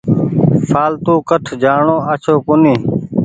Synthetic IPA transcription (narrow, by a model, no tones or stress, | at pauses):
saːlt̪uːkəʈʰd͡ʒaːɳoːaːt͡ʃʰoːkʊniː